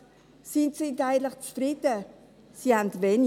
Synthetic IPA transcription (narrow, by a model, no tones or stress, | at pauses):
sɪntsɪntaɪɡəntləχt͡sfɾɪtə | sihantvɛn